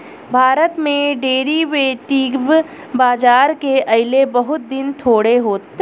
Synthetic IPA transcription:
bʱaːɾət̪mẽɖeːɾiʋeʈikb | baːd͡ʒaːɾkeʔɐɪlebɐɦʊt̪̚d̪ɪnt̪ʰoːɽeɦoːt̪

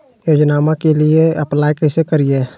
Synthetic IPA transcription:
joːd͡ʒnaːmakelieəplaːjkɛɪsekəɾie

